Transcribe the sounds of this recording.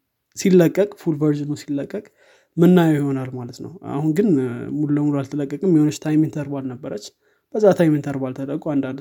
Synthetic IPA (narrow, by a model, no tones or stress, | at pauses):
silːəkʼːəkʼfulvəɾʒɨnusilːəkʼːəkʼ | mɨnːajəwjiho̞nalmalət̪nə̰wa̰hunɡɨnmululəmulualt̪ʰələkʼːəkʼɨmjiho̞nət͡ʃːt̪ʰajmɨnt̪ʰəɾbalnəbːəɾət͡ʃː | b̥əzːat̪ʰajmɨnt̪ʰəɾbalt̪ʰələkʼuand̪and̪